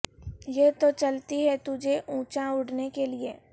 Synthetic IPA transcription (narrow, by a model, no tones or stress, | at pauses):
jet̪ot͡ʃɐlt̪iɦɛt̪ʊd͡ʒʱeʔũːt͡ʃãʊɽnekelɪeː